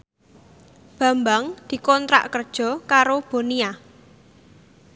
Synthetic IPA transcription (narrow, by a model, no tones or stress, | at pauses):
b̥ä̤mbaŋd̪̥i̤kɔnt̪ɾa̰ʔkərd̥ʒ̥ɔ̤kaɾob̥o̤nia